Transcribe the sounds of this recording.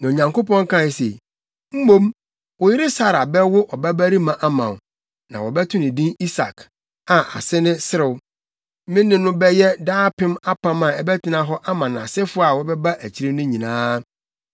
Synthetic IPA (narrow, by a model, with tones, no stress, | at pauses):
nã˨o˨ɲã˨ŋko˦pɔ̃˦ŋ˦kʰã˦˨se˨ | m̩˦mõ˦m | wɔ˨jɪ˦ɾɪ˦sa˦ɾa˨bɛ˦wʊ˦ʔɔ˨bæ˦bæ˦ɾi˦mã˨ʔa˦mã̰˨ | nã̰˨wɔ˨bɛ˦tʰʊ̃˦nɪ̃˨dĩ˦ni˦sa̰˨kʰ | a˨ʔa˨sɪ˦nɪ̃˦sɪ˦ɾɪ˨w | mɪ̃˦nːɪ̃˦nʊ̃˦bɛ˦jɛ˦daː˦pʰɪ̃˦ma˦pʰã˦mã˨ɛ˦bɛ˦tʰɪ˦nã˨˦ɦɔ˦ʔa˦mã˨nã˨sɪ˦fʊ˦a˨wɔ˦bɛ˦ba˦ʔæ˨t͡ɕʰi˦ɾɪ˦nʊ̃˦ɲĩ˨nãː˦